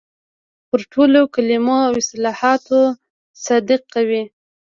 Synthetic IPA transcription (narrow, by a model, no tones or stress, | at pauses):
pəɾʈʰolokalimoawɪslɑhɑt̪o | sɑd̪ɪq̚kawi